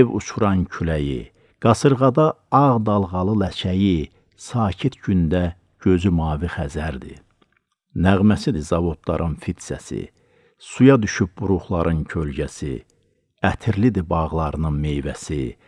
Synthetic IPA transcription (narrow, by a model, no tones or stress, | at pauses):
evṵt͡ʃʰuɾɑncʰylæjḭ | ɡ̥ɑsɯɾʁɑd̪ɑɑʁd̪ɑlˠʁɑlˠɯlæt͡ʃʰæji | sɑːcʰit̪ɟynd̪æ | ɟøzymɑːviχæzæɾd̪ḭ | næʁmæsid̪izɑvo̞t̪ʰlˠɑ̰ɾʔɯnfit̪sæ̰sḭ | sujɑd̪yʃyp̚buɾuχlˠɑɾʔɯncʰølɟæsḭ | æt̪ʰiɾlid̪ibɑʁlˠɑɾɯnɯnme̞jvæsi